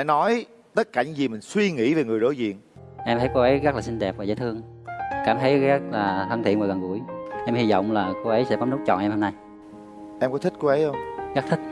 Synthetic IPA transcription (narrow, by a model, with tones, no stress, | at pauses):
a˧˥nɔ˨˦j | t̪ə˦˥t̚kaː˧˩ɲɨ˨˦ŋzi˨˩mï˨˩ŋ̟swi˧ŋḭ˧˥ve˨˩ŋɨ˨˩əjzo̰˧˨˦jzḭ˧˨ənʔɛ˧mt̪ʰə˨˦jko˧wʔə˨˦jɣə˦˥k̚laː˨˩si˧ŋ̟ɗɛ˨˩p̚vaː˨˩zaː˨˦jt̪ɨ˧əŋ˩kaː˧˩mt̪ʰə˨˦jɣa˦˥k̚laː˨˩t̪ʰə˧nt̪ʰḭ˧˨əmoː˨˩lə˨˩ŋɣu˧˩əjʔɛ˧mhi˧zɔ̰˧˨wŋ͡mlaː˨˩ko˧ʔə˨˦jsɛ̰˧˥ɓɔ˨˦nu˦˥k̚t͡ɕɔ̰˧˨nʔɛ˧mhɔ˧mna˧j | ʔɛ˧mkɔ˨˦t̪ʰï˦˥t̚ko˧wʔə˨˦jhə˧wŋ͡mɣa˦˥t̪ʰi˦˥t̚